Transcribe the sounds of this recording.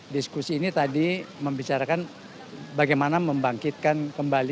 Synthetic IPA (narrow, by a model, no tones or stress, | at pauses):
diskusiːnit̪adiməmbit͡ʃaɾakan | baɡajmanaməmbaŋkit̪̚kankəmbali